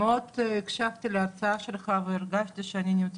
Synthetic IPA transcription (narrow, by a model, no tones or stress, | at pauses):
ot̪ikʃavt̪ileaɾt͡saaʃelχaveiɾɡaʃt̪iʃeanʲinʲimt͡s̪